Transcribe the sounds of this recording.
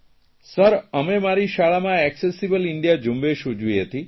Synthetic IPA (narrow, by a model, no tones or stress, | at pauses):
səɾəmemaɾiʃaɭamãɛksesibəliɳɖijad͡ʒumbeʃud͡ʒujɦət̪i